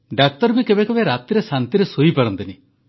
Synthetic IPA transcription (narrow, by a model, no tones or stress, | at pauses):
ɖak̚t̪ɔɾbikebekɔbeɾat̪iɾesant̪iɾesoipaɾɔnt̪ini